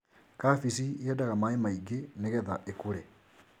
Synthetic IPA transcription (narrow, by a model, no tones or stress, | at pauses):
kafis̬iɛdaɣamaemaiɡeneɣɛðaʔekuɾɛ